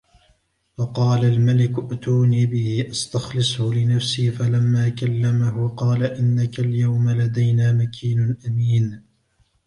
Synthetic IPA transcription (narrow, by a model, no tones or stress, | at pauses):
wɑqɑːlalmalɪkʊʔʔt̪uːniːbɪhɪʔast̪ɑxlɨsˤhʊlɪnafsiːfalamːaːkalːamahʊqɑːlaʔɪnːakaljawmalad̪ajnaːmakʰiːnʊʔamiːn